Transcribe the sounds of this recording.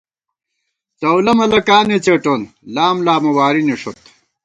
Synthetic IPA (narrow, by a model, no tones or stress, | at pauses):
t͡sɐwlɐmɐlɐkaːnet͡seʈon | laːmlaːmɐwaːɾiniʂot̪